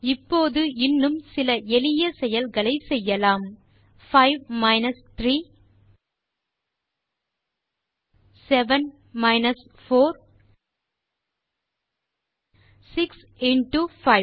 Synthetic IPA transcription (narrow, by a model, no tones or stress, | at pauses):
ɪpːoːðɯɪnːɯmsɪlɐʔɛlɪjɐsɛjɐlɣɐɭɐɪsɛjːɐlaːm | fɐɪʋmɐɪnɐst̪ɾiː | sɛʋɐn | mɐɪnɐs | foːɾ | sɪks | ɪnʈufɐɪ